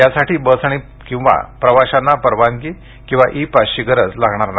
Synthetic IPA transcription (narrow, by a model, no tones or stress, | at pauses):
jasaʈʰiːbəsaɽ̃i | kĩw̃ʋa̰pɾəʋaɕanːapəɾʋanki | kĩw̃ʋa̰ʔipaɕiɡəɾət͡slaɡʱɳaɾna